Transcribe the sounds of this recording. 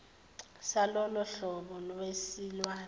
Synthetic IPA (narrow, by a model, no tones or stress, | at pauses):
salɔlɔɬɔɓɔlɔwesilwaː